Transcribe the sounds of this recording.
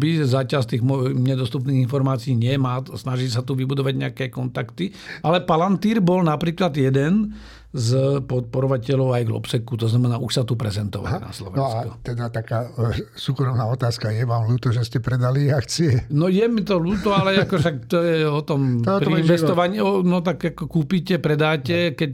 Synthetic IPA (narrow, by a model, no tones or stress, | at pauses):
bizacast̪iːɣmɔɲɛd̪ɔst̪upniːɣinfɔɾmaːt͡siːɲɪɛmaːsnaʒis̬at̪uʋibud̪ɔʋaɟɲɛakɛkɔnt̪akt̪ialɛpalant̪iːɾbɔlnapɾiːklad̪jɛd̪ɛn | zpɔt̪̚pɔɾɔʋacɛlɔʊajɡlɔ̰psɛkut̪ɔznamɛnaːʔuʃsat̪upɾɛzɛnt̪ɔ̰ʋa̰lna̰slɔ̰ʋɛnsakut̪ɛd̪at̪akaːsuːkɾɔmnaːɔt̪aːskajɛʋaːmluːt̪ɔʒɛscɛpɾɛd̪aliakt͡siɛnɔjɛmit̪ɔluːt̪ɔalɛakɔʃakt̪ɔjɛɔt̪ɔmpɾiinʋɛst̪ɔʋaɲiɔnɔt̪akakɔkuːpiːcɛpɾɛd̪aːcɛkɛc